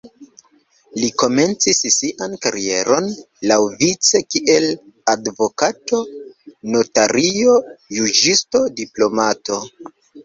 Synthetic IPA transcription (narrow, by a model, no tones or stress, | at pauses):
liko̞me̞nt͡sisːiʔankaɾie̞ɾo̞n | lawvit͡se̞kiʔe̞l | advo̞kato̞no̞taɾʔio̞jud͡ʒisto̞diplo̞mato̞